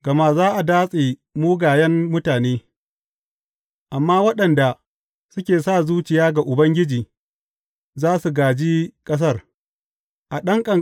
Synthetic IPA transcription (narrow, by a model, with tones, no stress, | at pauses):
ɡ̥ɐ˨ma˦zaː˦ʔa˨daː˦sʼeː˨muː˦ɡaː˨jɐ˦mːʊ˦taː˨neː˦ | ʔa˨mːaː˦wɐ˦ɗɐ˨nda˨ | sʊ˦kʲeː˨saː˦˨zuː˦t͡ʃɪ˨jaː˦ɡa˨ʔʊ˨bɐ˦ŋɡʲɪ˦d͡ʒiː˨ | zaː˦su˨ɡaː˨d͡ʒiː˦kʼɐ˦s̬ɐ˦r | ʔa˨ɗɐ˦ŋkʼɐ˨